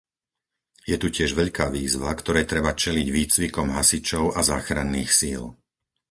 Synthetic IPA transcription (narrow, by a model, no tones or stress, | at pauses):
jɛt̪ucɪɛʒʋɛʎkaːʋiːzʋakt̪ɔɾɛːt̪ɾɛbat͡ʃɛliɟʋiːt͡sʋikɔmɦasit͡ʃɔʊazaːxɾanːiːxsil